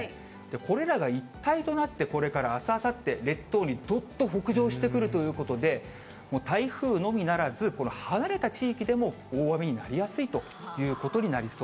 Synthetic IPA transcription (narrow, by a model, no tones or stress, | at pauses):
d̪̥e̞ko̞ɾe̞ɾaɡait̪ːait̪o̞nat̪ːe̞ko̞ɾe̞kaɾaːsaasat̪ːe̞ɾe̞t̪ːo̞ːɲ̟id̪o̞t̪ːo̞ɦo̞kɯ̟ʑo̞ːɕi̥t̪e̞kɯ̟ɾɯ̟t̪o̞jɯ̟ːko̞t̪o̞d̪e̞ | moːt̪aiɸɯ̟ːno̞mʲinaɾazɨko̞no̞hanaɾe̞t̪at͡ɕiːkʲid̪e̞mo̞ | oːβamʲiɲ̟ina̰ɾʲijasɨit̪o̞ | jɯ̟ːko̞t̪o̞ɲ̟inaɾʲisoː